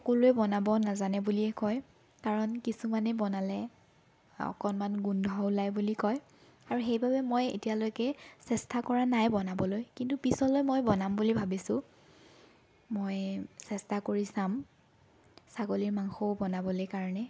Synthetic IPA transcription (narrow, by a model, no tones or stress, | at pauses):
xɔkoluɛbɔnabɔnazanɛbuliɛkɔj | kaɹɔnkisumanɛbɔnalɛ | ɔ̰kɔnmanɡundʱɔʊlajbulikɔj | aɹuxejbʱabɛmojḛtialojkɛsɛstakɔɹanajbɔnabɔlojkintupisɔlɔjmojbɔnambulibʱabisʊ | mojsɛstakoɹisam | saɡoliɹmaŋxoʊbɔnabɔlojkaɹɔnɛ